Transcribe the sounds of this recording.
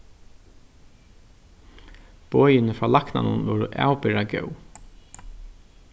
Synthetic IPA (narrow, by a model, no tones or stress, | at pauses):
b̥ɔːjɪnəfɾaːlakna̰nʊ̰nʋɔːɾəʔæ̰ːwpɪɾaɡœ̰w